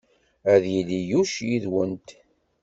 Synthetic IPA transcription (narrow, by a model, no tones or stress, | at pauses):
æðjilijuʃjiðwənt̪